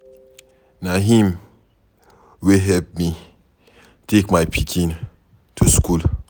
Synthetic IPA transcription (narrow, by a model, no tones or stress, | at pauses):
naɦĩm | wiɦɛlp̚mi | tʰekmajpʰikʰĩn | tʰuskul